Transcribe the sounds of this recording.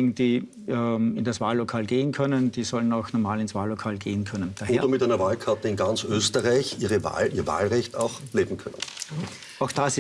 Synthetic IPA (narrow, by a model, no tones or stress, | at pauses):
ɪɡŋ̩d̥iː | ɪndasvaːlːokʰaːlɡeːənkʰœnənd̥iːsɔlənaʊxnɔɐmaːlɪnsv̥aːlːokʰaːlɡ̥eːənkʰœnənd̥aːheːɐdɐmɪtæɪnɐvaːlkʰaɐtəɪnɡant͡søːstəʁaɪçiːʁəva̰ːlʔiːɐva̰ːlʁɛçta̰ʊxleːbm̩kʰœnən | aʊxd̥asɪ